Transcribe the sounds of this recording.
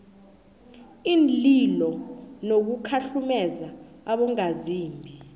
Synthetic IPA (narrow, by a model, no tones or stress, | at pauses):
iːnlilɔnok̬ukʰaɬumɛza | aɓɔŋaziːmbʱi